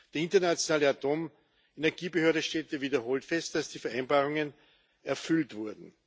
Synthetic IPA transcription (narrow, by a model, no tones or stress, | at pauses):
d̥eːɐɪ̃ntɐnat͡sjonaːləatoːm | enɛɐɡiːbəhøɐɾəʃtɛːtəviːdɐɦoːltfɛst̚d̥asd̥iːfɛɐʔæɪnbaːʁʊŋən | ɛɐfʏltv̥ʊɐdn̩